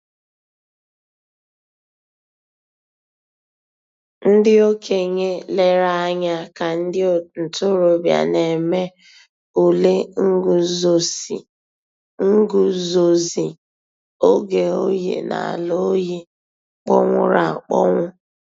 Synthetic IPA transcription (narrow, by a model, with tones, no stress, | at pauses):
n̩˦dɪ˦o˦kʰe˨ɲe˦le˦ɾa˦ɲa˦ka˨n̩˦dɪ˦˨n̩˨tʊ˦ɾo˨bja̰˨ne˨me˦ | u˨le˦ŋ̩˦ɡu˦zo˨sḭ˨ | ŋ̩˦ɡʊ˦zo˨zi˨ | o˦ɡe˨o˦jḛ˨na̰˨a̰˨lo˦ji˦ | k͡pɔ̰˦ŋʷʊ˦ɾa˨k͡pɔ̰˦ŋʷʊ˦